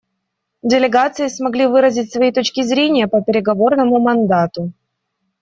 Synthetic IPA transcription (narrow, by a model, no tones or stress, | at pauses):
dʲɪlʲɪɡat̪sɨɪsmɐɡlʲivɨɾəzʲɪtʲsvɐit̪o̞t͡ɕkʲɪzɾʲenʲɪjəpəpʲɪɾʲɪɡɐvo̞rnəmʊmɐnd̪at̪ʊ